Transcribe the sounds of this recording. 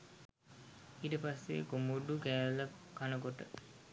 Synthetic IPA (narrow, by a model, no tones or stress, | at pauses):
iːʈəpasːḛkomuɖukæːləkanəkoʈə